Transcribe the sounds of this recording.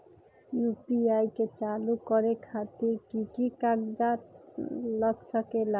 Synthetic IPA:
jupiajket͡ɕalukɔɾekʰat̪ikikikaɡd͡ʒa | lɔksɔkela

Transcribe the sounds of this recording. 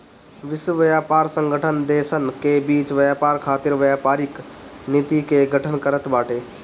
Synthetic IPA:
ʋiswəʋəjapaɾsə̃ŋɡʱəʈʰənd̪esənkebit͡ʃʋəjapaɾkʰaːt̪iɾʋjapaɾiknit̪ikeɡʱəʈʰənkəɾət̪baːʈe

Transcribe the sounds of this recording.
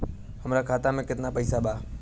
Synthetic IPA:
həmɾaːkʰaːt̪amẽkɪt̪napəiːsaɓaː

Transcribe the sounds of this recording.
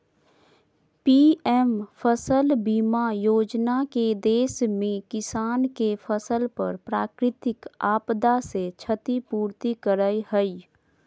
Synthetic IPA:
piːɛmpʰəsəlbiːmajoːd͡ʒnaked̪eːsmẽkɪsaːnkefʰəsəlpə̰ɾpɾaːkɾɪt̪ɪkaːpd̪aset͡ʃʰət̪ipuːɾt̪ikəɾəihəi

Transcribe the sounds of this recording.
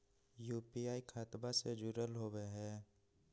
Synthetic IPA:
juːpiaːikʰaːt̪based͡ʒuɾəlɦoːweɦɛː

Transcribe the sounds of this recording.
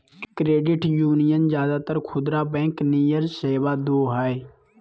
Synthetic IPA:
kɾeːɖɪʈjuːnijənzjaːd̪aːt̪əɾkʰʊd̪ɾaːbɛ̃ːknijəɾseːʋaːd̪oːɦɛːe

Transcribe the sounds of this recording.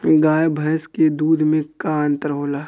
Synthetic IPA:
ɡaːjbʱɐjsked̪uːd̪ʱmẽkaːnt̪ɾəɦoːlaː

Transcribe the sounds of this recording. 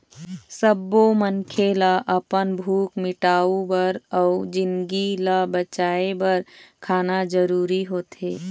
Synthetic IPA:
səbːomənkʰelaʔəpənbʱuːkmɪʈaːubəɾɔʊd͡ʒɪnɡilabət͡ʃaːebəɾkʰaːnad͡ʒəɾuːɾiɦoːt̪eː

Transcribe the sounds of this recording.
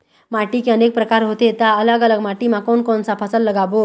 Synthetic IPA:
maʈiːkiənek̚pɾəkaɾɦot̪et̪aələɡələɡmaʈimakonkonsapʰəsəlːəɡabo

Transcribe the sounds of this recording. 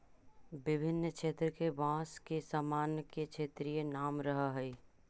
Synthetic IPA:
bɪbʱɪnːkʃeːt̪ɾəkeʋãːskesamaːnkekʃʰeːt̪ɾijenaːmɾəɦəɦəi

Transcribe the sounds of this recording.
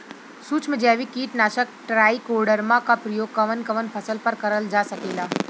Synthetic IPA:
suːt͡sm̤əd͡ʑeaʋiːkiːʈnaɕək̚ʈɾaikoɾɽəɾmakapɾəjoɡ̚kəʋənkəʋənpʰəsəlpəɾkəɾəld͡zʱasəkela

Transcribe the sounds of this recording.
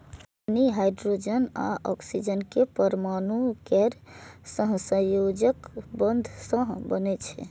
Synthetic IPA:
aniɦajɖɾod͡ʒəna̰ʔɔksid͡ʒənkepəɾmanukɛɾsə̃ɦsə̃jod͡ʒəkbənd̪ʱsə̃ɦbənɛt͡ʃʰɛ̰

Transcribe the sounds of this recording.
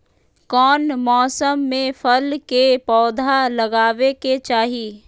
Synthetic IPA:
kɔːnmɔːsəmːẽfʰəlkepɔːd̪ʱalɐɡaːʋeket͡ʃaːɦiː

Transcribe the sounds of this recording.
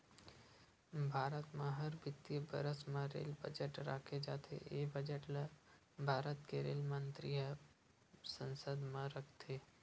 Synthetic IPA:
bʱaːɾət̪mẽɦəɾbɪt̪ːijəbə̰ɾəsmẽɾḛːlbə̰d͡ʒəʈɾa̰ːkʰed͡ʒa̰ːt̪ʰḛebəd͡ʒəʈl | bʱaːɾət̪keɾḛːlmənt̪ɾiə | sə̃nsəd̪mãɾəkʰt̪ʰe

